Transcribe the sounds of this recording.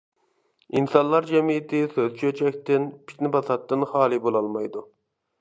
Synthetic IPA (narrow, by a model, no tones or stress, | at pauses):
insɑnlˠɑɾd͡ʒɛmijɪt̪ʰɪsøzt͡ʃʰøt͡ʃʰɛkʲt̪ɪnpʰi̥ʃnɪbɑsɑt̪ːɨnχɑːlˠɨbolˠɑlˠmɑjd̪u